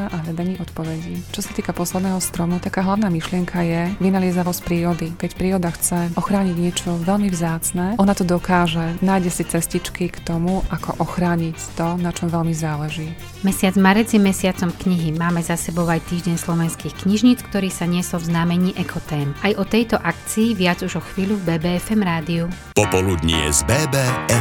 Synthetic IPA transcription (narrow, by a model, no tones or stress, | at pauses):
aʔaɦlɛd̪aɲiːʔɔt̪pɔʋɛɟiːt͡ʃɔsat̪iːkapɔslɛd̪nɛːɦɔst̪ɾɔmut̪akaːɦlaʊnaːmiʃlɪɛŋkʰajɛʋinaliɛzaʋɔscpɾiːɾɔd̪ikɛcpɾiːɾɔd̪axt͡sɛʔɔxɾaːɲiɟɲɪɛt͡ʃɔʋɛlmivzaːt͡snɛʔɔnat̪ɔd̪ɔkaːʒɛnaːjɟɛsit͡sɛscit͡ʃkikt̪ɔmuʔakʰɔ̰ʔɔxɾaːɲict̪ɔnat͡ʃɔmʋɛlmizaːlɛʒiː | mɛsɪad͡zmaɾɛd͡zjɛmɛsɪat͡sɔmkɲiɦimaːmɛzasɛbɔʊajt̪iːʒɟɛɲslɔʋɛnskiːxkɲiʒɲiːt͡skt̪ɔɾiːsaɲɪɛsɔlvznaːmɛɲiːʔɛkʰɔt̪ɛːmajʔɔt̪ɛjt̪ɔʔakt͡siːʋɪad͡zuʒɔxʋiːʎuvbɛːbɛːɛfɛmɾaːd̪iu | pɔpɔlud̪ɲḭɛ̰zbɛːbɛːɛ